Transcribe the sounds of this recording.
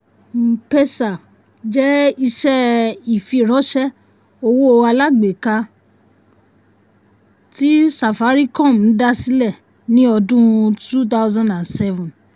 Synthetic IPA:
m̩˨pe˧sa˨ | d͡ʒɛ˦i˧ʃɛ˦i˨fi˧˨ɾ̃ɔ̃˨˦ʃɛ˦ | o˧wo˦o˧a˧la˦ɡ͡be˨ka˧ | ti˦sa˨fa˨˦ɾi˦kɔ̃˦˨mũ˨˦da˦si˦lɛ˦˨ | nĩ˦ɔ˧dũ˦tu˦t̪̬a˦ʊzã˦ndã˨nsɛ˦vũ˨n

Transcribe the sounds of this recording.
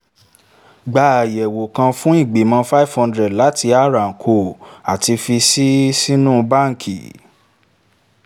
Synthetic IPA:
ɡ͡ba˨jɛ˨wo˨kã˧fũ˦i˦˨ɡ͡be˨mã˧fa˦i˦˨vhã˧ndɾɛ˨dla˨˦ti˧a˦˨ɾa˨kʰo˨a˨ti˧fi˧si˦si˦nũ˦˧ba˦˨ŋ̩˨kʰḭ˨

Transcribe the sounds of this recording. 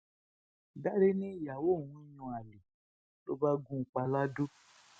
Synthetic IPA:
da˦ɾe˦nĩ˦˨ja˨wo˦˨wũ˦jũ˧a˨li˨ | to̰˦ba˦ɡũ˦˨˦k͡pa˧la˦do˦

